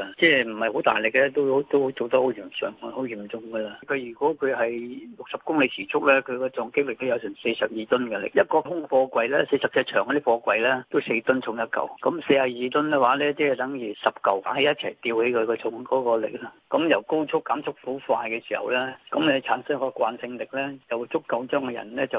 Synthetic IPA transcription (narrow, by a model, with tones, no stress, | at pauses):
t͡sɛː˥˩m̩˨˩hɐ˨˩jho˨˥wt̪a̰ː˨jlɪ˨˩k̚lɛː˥t̪o˥who˨˥wt̪o˥who˨˥t͡so˨˩wt̪ɐ˥ho˨˥wjiː˨˩mt͡sɔ̰ː˨˩ŋ˧ho˨˥wjiː˨˩mt͡sʊ˨˧ŋɡɐ˧laː˧ka˨˧jyː˨˩kʷɔː˨˥kʰɵ˨˧ɥɦɐ˨jlʊ˨k̚sɐ˨p̚kʊ˥ŋle˨˧jt͡sʰiː˨˩t͡sʰʊ˥k̚lɛː˥kʰɵ˨˧ɥkɔː˧t͡sɔː˧ŋkɪ˥k̚lɪ˨k̚t̪o˥wjɐ˨˧wsɛː˨˩se˧jsɐ˨p̚jiː˨˧t̪ʊ˥nkɛ˧lɪ̰˨k̚jɐ˥t̚kɔː˧hʊ˥ŋfɔː˧kwɐ˧jlɛ˥se˧jsɐ˨˩psʰɛ˧t͡ʃʰœː˨ŋkɔ˧˦d̪i˥fɔː˧kʷwɐ˧jlɛ˥t̪o˥wse˧jt̪ʊ˥nt͡sʰʊ˧ŋjɐ˥t̚kɐ̰˨wkɐ˨˧˥mse˧haː˨˩jiː˨˧t̪ʊ˥nkɛ˧waː˨˥lɛː˥t͡sɛː˥ɛ˨˩t̪ɐ˨˥ŋjiː˨˩sɐ˨p̚kɐ˨wa̰˨˥he˨˧jɐ˥t̚t͡sʰɐ˨˩jt̪iː˧whe˨˥jkʰɵ˨˧ɥkɔː˧t͡sʰʊ˧˥ŋkɔː˨˥kɔː˧lɪ̰˨k̚lɐ˥ | kɐ˨˧˥mjɐ˨˩wko˥wt͡sʰʊ˥kːaː˨˥mt͡sʰʊ˥k̚fu˨˥fa̰ː˧jkɛː˧siː˨˩hɐ̰˨wlɛː˥kɐ˨˥mne˨˧t͡sʰaː˨˥nsɐ˥ŋkɔː˧kʷa̰ː˧nsɪ˧ŋlɪ˨k̚lɛː˥jɐ˨wt͡sʰʊ˥kːɐ˧wt͡ʃœː˥ŋkɔ˧jɐ̰˨˩nlɛː˥t͡sɐ˨w